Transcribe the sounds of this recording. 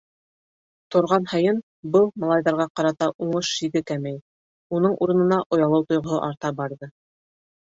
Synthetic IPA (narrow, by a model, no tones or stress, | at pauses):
t̪ŏɾʁɑnhɑjɤn | bɤlˠmɑlˠɑjðɑɾʁɑqɑɾɑt̪ɑʔuɴɤʃʃiðɘkæmæj | unɤɴʔuɾɤ̆nɤ̆nɑʔŏjɑlˠɤwt̪ŏjʁŏɦɤ̰ʔɑɾt̪ɑbɑɾðɤ